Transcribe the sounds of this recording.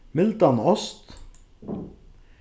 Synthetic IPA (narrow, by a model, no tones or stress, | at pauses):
mɪlt̪ɑnɔst̪